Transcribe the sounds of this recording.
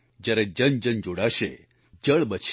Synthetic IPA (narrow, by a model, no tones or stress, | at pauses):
d͡ʒjaɾed͡ʒənd͡ʒənd͡ʒoɽaʃe | d͡ʒəɭbət͡ʃʰ